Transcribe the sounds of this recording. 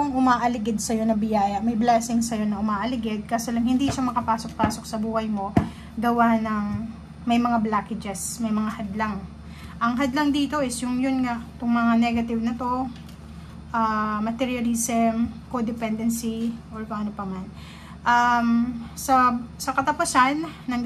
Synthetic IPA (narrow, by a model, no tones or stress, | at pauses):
oŋʔʊmaːʔɐlɪɡɪd̪̚sɐjo̞nɐbɪjaːjɐmɐjblaːsɪŋsɐjo̞nɐʔʊmaːʔɐlɪɡɪd̪̚kaːsolɐŋhɪnd̪iːʃamɐkɐpaːso̞k̚paːso̞k̚sɐbuːhɐjmo̞ | ɡɐwanɐŋ | mɐjmɐŋablaːkɪd͡ʒɛsmɐjmɐŋahɐd̪laŋ | ʔɐŋɦɐd̪lɐŋd̪iːt̪o̞ʔɪsjʊŋjʊnŋat̪ʊŋmɐŋanɛɡɐt̪ɪvnɐt̪o̞ | ʔamɐt̪ɛɹjɐlisɛmkod̪ɪpɛnd̪ɛnsiʔoɹkɐʔɐnopɐman | ʔɐmsɐsɐkɐt̪ɐpʊsanːɐŋ